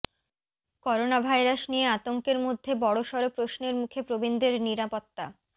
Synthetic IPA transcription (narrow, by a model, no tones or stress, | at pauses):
kɔɾonabʱajɾaʃnijeat̪oŋkeɾmod̪ʱːebɔɽoʃɔɾopɾoʃneɾmukʰepɾobind̪eɾniɾapot̪ːa